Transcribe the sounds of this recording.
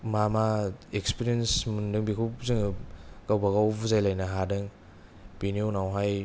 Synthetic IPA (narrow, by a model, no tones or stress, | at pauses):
mamaekspiɾiensmundɯŋbikʰupzɯŋkawbaɡaubuzajlajnaɦadɯŋ | piniunawɦaj